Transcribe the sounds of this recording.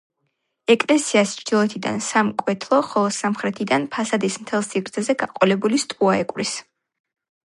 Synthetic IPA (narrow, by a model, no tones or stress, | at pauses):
ɛkʼlɛsiast͡ʃʰɾd͡ʒ̪ilˠɔɛt̪ʰid̪a̰nsamkʼwɛt̪ʰlˠɔχɔlˠɔsamχɾɛt̪ʰid̪anpʰasad̪ismt̪ʰɛlˠsiɾt̪sʰɛzɛɡaqʼɔlɛbulist̪ʼuaɛkʼɾis